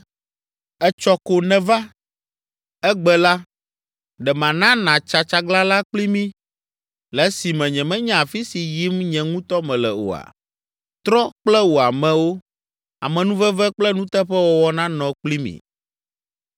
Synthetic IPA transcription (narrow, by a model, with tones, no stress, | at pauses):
ɛ˦t͡ʃɔ˦ko˨nɛ̃˨va˦ | ɛ˦ɡ͡bɛ˦la˦ | ɖɛ˨mã˨nã˦nã˨t͡ʃa˨t͡ʃa˦ɡla˦la˦k͡pli˦mĩ˦ | lɛ˨˦si˨mɛ̃˨ɲɛ̃˨mɛ̃˦ɲɛ̃˦a˨fi˦si˨ji˦mɲɛ̃˨ŋũ˦t̪ɔ˦mɛ̃˨lɛ˨o̰˨a̰˨ | t̪ɾɔ˦k͡plɛ˦wo˨a˨mɛ̃˨wo˦ | a˨mɛ̃˨nũ˦vɛ˦vɛ˦k͡plɛ˦nũ˦t̪ɛ˦ɸɛ˦wɔ˦wɔ˦nã˦nɔ̃˨k͡pli˦mḭ̃˨